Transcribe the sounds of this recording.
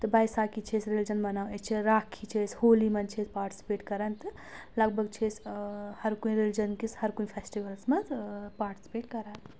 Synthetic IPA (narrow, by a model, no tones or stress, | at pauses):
t̪ɨbajsakit͡ʃʰesɾelid͡ʒənbɐnawest͡ʃʰiɾakʰːit͡ʃʰesholimɐnt͡ʃʰespaːɾʈi̥si̥peːʈkɐɾant̪ | lɐɡ̚bʱəɡ̚t͡ʃʰeshɐɾkuĩɾeld͡ʒənkishɐɾkuĩpʰesʈiʋəlsmɐpaːɾʈi̥si̥peʈkɐɾat̪